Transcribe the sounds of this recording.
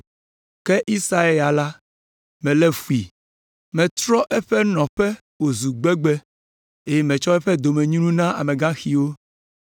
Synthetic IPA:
kɛ˦ʔi˦sa˦e˦la˨la˦ | mɛ̃˨lɛ˦fu˨i˨ | mɛ̃˨t̪ɾɔ˦ʔɛ˦ɸɛ˦nɔ̃˨ɸɛ˦ | wo˨zu˨ɡ͡bɛ˦ɡ͡bɛ˦ | e˦jɛ˦mɛ̃˨t͡ʃɔ˦ɛ˦ɸɛ˦d̪o˨mɛ̃˨ɲũ˦nũ˦nã˦ʔa̰˨mẽ˨ɡã˦xi˨wo˦

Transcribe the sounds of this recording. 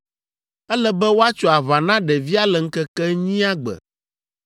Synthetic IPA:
ɛ˦lɛ˦bɛ˦wo˦a˦t͡ʃɔ˨a˨βa˨nã˦ɖɛ˨vi˦a˦lɛ˨ŋ̩˦kɛ˦kɛ˦ɲĩ˦a˦ɡ͡bɛ̰˨

